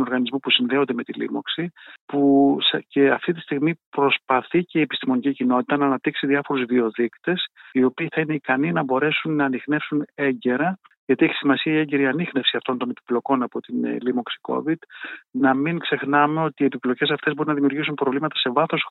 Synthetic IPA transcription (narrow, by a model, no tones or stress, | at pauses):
noɾɣɐnizmupusinðe̞o̞nd̪e̞me̞t̪ilḭmo̞̰ksipusce̞ɐft̪it̪i̥st̪iɣmipɾo̞spɐθice̞iepist̪imo̞nicicino̞t̪i̥t̪ɐnɐːnɐp̚t̪iksiðiɐfo̞ɾuzvio̞ðikt̪e̞sio̞piːθɐine̞ikɐninɐbo̞ɾe̞sunːɐːnixne̞fsune̞ɲɟe̞ɾɐ | ʝɐt̪ieçi̥simɐsiɐie̞ɲɟe̞ɾiɐnixne̞fsiɐft̪o̞nt̪o̞ne̞pi̥plo̞ko̞nɐpo̞t̪inlimo̞ksi̥ko̞̰vid̪nɐmiŋkse̞xnɐme̞o̞t̪iːe̞piplo̞ce̞s̬ɐft̪zbo̞ɾinɐðimiuɾʝisunpɾo̞vlimɐt̪ɐ̥se̞vɐθo̞s